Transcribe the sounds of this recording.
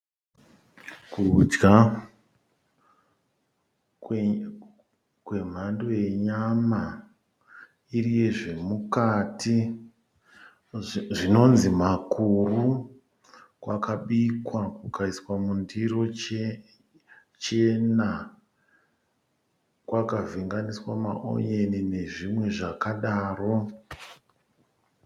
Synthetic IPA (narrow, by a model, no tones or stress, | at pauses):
kud͡ʒɡa | kwe̞m̤andoje̞ɲama | irije̞ʐe̞mukatʰi | ʐino̞nzimakuru | kwakaɓikwakukaiswamundiro̞ | t͡ʃena | kwakaviŋɡaniswama̰ʔo̰jenine̞ʐimwe̞ʐakaɗaːro̞